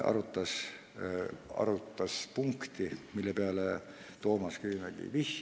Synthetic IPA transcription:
ɑ̰ɾut̪ːɑs | ɑ̰ɾut̪ːɑspuŋkt̪imilːepeæle | t̪oːmɑskyimæɡ̥ḭʋih

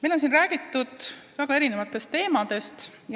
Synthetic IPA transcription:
mejlo̞ns̬inræːɡ̥it̪ːˑud̪̥væɡ̥ɑe̞ɾine̞vɑt̪ːˑe̞st̪ːe̞ːmɑd̪̥e̞st̪j

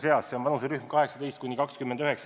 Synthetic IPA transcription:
seɑsseonvɑnuseɾyhmkɑɦe̞ksɑt̪e̞jst̪̚kunʲːikɑkskymːend̪yɦeks

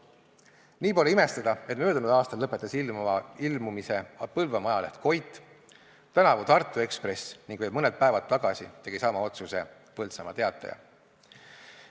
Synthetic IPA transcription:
niːpo̞leime̞st̪ɑd̪̥ɑe̞t̪møːd̪unud̪ɑːst̪ɑlːɤpːˑe̞t̪ːˑɑsilmɑilmumise̞pɤlvɑmɑjɑleht̪kʰo̞jt̪ːˑ | t̪ænɑvut̪ɑrt̪ːˑue̞kspre̞sniŋɡvɤb̚mɤned̪̚pæevɑt̪̚t̪ːɑɡ̥ɑsḭt̪e̞ɡ̥isɑmɑo̞t̪suse̞ | pɤlt̪sɑmɑt̪e̞ɑt̪ːˑɑ̰jɑ̰

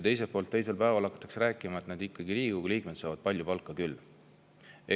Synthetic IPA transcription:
t̪e̞js̬epːoːlt̪ːe̞jse̞lpæevɑlɑkːˑɑ̥t̪ːˑɑksɾæːkːˑimɑet̪nɑd̪ikːˑɑɡiɾiːɡuɡliːk̚met̪sɑːvɑd̪̥̚pɑlʲjupɑlkːˑɑkylː | e

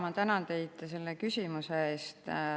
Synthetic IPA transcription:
mɑt̪ænɑnt̪e̞jd̪̥se̞lːekysʲimuseeːst̪

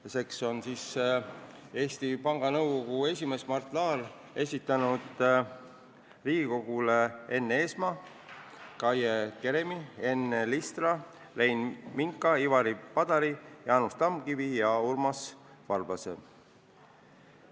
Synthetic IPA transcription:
se̞kso̞nsiːs | e̞ːst̪ipɑŋɡ̥ɑnɤ̞wɡo̞ɡ̥ue̞sʲime̞smɑrt̪ˑlɑːl | e̞sʲit̪ːˑɑnud̪̥ | riːɡ̥iko̞ɡ̥ulee̞nːe̞ːsmɑ | kɑjeke̞ɾemie̞nːelist̪rɑ | le̞jnmiŋkːˑɑivɑɾipɑd̪̥ɑɾijɑɑnust̪ɑmɡivijɑurmɑs | vɑrbɑsḛ

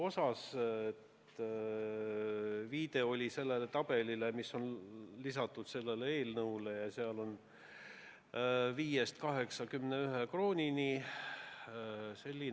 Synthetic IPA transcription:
o̞sɑset̪ | viːd̪̥e̞oolʲise̞lːelet̪ɑb̥e̞lilemisːo̞nlisɑt̪ːˑud̪̥se̞lːeleeːlnɤwlejɑseɑlo̞n | viːjest̪kɑɦe̞ksɑkymneyɦekro̞ːnʲini | se̞lʲːi

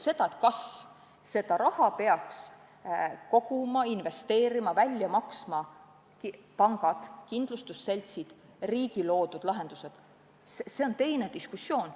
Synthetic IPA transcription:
se̞d̪̥ɑet̪kɑs | se̞d̪̥ɑɾɑhɑpe̞ɑks | ko̞ɡ̥umɑinve̞st̪e̞ːɾimɑvælʲjɑmɑksmɑ | kpɑŋɡ̥ɑd̪̥kind̪̥lust̪usːe̞lʲt̪sid̪̥ | riːɡ̥ilo̞ːd̪ud̪̥lɑɦe̞nd̪̥use̞d̪̥ | sese̞o̞nt̪e̞jne̞d̪iskusːjo̞ːn

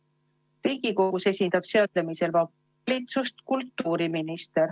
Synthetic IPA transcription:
riːɡ̥iko̞ɡuse̞sʲind̪̥ɑb̥seot̪lemise̞lvɑ | lʲit̪sust̪kult̪ːˑuːɾiminist̪e̞ɾ

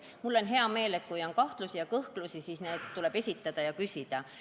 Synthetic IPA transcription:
mulːo̞nɦe̞ɑme̞ːle̞t̪̚ːˑkujo̞nkɑht̪lusijɑkɤhklusisiːsneːd̪̥t̪ːule̞b̥e̞sʲit̪ˑːɑd̪̥ɑjɑkysʲid̪̥ɑ

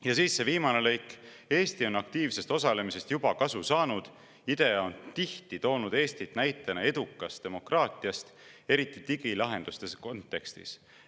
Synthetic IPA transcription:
jɑsiːsːe̞viːmɑne̞le̞jk | e̞ːst̪io̞nɑk̚t̪iːvse̞st̪o̞sɑle̞mise̞st̪jub̥ɑkɑsusɑːnud̪̥ | id̪̥e̞ont̪iht̪it̪o̞ːnud̪̥e̞ːst̪it̪næjt̪ːˑɑnɑe̞d̪̥ukːˑɑst̪e̞mo̞krɑːt̪ˑiɑst̪e̞ɾit̪ːˑit̪iɡ̥ilɑɦe̞nd̪̥ust̪e̞sko̞nt̪ːˑe̞kst̪ḭs

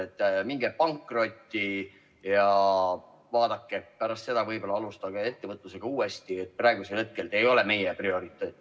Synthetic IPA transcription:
et̪ˑːmiŋɡepɑŋkːro̞t̪ʲːi | jɑ | vɑːd̪̥ɑkːepæɾɑst̪se̞d̪̥ɑvɤjbo̞lːɑɑlust̪ɑɡee̞t̪ːevɤt̪ˑluse̞ɡ̥ɑuːe̞st̪iet̪̚ːˑprɑˑe̞ɡuselhet̪̚ke̞ld̪e̞jo̞leme̞jeprio̞ɾit̪ːˑe

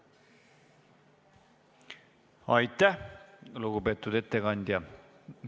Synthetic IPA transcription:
ɑjt̪ːˑæhluɡube̞ːt̪ːˑud̪e̞t̪ːekɑnʲd̪̥ʲjɑ

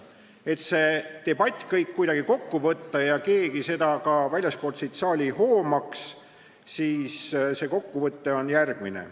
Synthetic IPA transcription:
e̞t̪se̞t̪e̞b̥ɑt̪ʲːˑkɤjkːujd̪ɑɡ̥iko̞kːuvɤt̪ːɑjɑke̞ːɡ̥ise̞d̪̥ɑkɑvælʲjɑsko̞lt̪sejt̪sɑːlʲiho̞ːmɑks | siːsse̞ːko̞kːuvɤt̪ːe̞onjærɡ̥minḛ

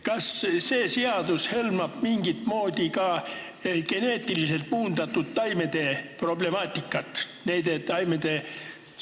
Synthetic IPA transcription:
kɑsse̞ːseɑd̪ushelmɑb̥miŋɡ̥it̪ˑmo̞ːd̪̥ʲikɑ | ɡ̥e̞ne̞ːt̪ʲːˑilise̞lt̪̚puːnd̪̥ɑt̪ːˑut̪tɑjme̞d̪e̞pro̞ble̞mɑːt̪ʲːˑikːˑɑt̪ːˑ | nejd̪eɑjmed̪̥e̞

